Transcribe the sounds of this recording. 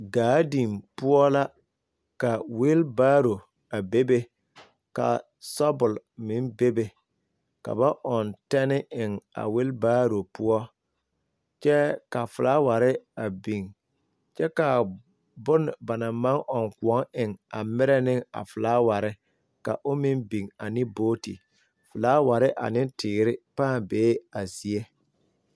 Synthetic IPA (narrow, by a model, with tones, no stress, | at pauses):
ɡaː˨˦di˨mpʊ˦ɔ˦la˦ | ka˨wɪ˦lbaː˦ɾo˨ | a˨be˦be˦ | ka̰˨ | sɔ˦bʊ˨lmɪ˨˦nbe˦be˨ | ka̰˨ba˦ʔɔ˨ntɛ˦nɪ˦ɪ˨ŋa̰˨wɪ˦lbaː˦ɾo˨pʊ˦ɔ˦ | t͡ʃɛ˦ka˨fʊ˨laː˦wa˨ɾɪ˦a˨bi˨ŋ | t͡ʃɛ˦ka˨ | bʊ˦n˨ba˨na˨ma˦ŋʔɔ˨ŋku˨ɔ˦ŋɪ˨ŋa˨mɪ˦ɾɛ˦nɪ˦ŋa̰˨fʊ˨laː˦wa˨ɾɪ˦ | ka˨ʔʊ˦mɪ˦nbi˨ŋa˨nɪ˦boː˦tḭ˨ | fʊ˨laː˦wa˨ɾɪ˦ʔa̰˨nɪ˦ntʰɪː˨ɾɪ˦paː˦˨beː˨˦a˨zi˨e˦